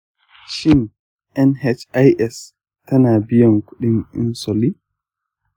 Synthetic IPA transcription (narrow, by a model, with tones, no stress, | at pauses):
ʃɪ˦n | ʔɛ˦nhɛ˦t͡ʃa˦jʔɛs | tɐ˦naː˨bɪ˦jɔ˨ŋkʷʊ˦ɗi˦nʔɪ̰˦nsɔ˨li˦